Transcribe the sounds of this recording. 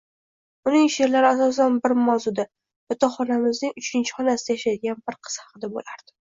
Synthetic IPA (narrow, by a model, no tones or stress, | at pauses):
ʊnɪŋʃe̞ɾlaɾɪasɒs̬anbɪɾmawzʊd̪a | bɪt̪ʰɒχɒnamɪznɪŋʊt͡ʃʰɪnt͡ʃʰɪ̥χɒnasɪd̪ajaʃad̪ɪɡʲanbɪɾqʰɨ̥z̥hɑqɨd̪abo̰laɾd̪ɪ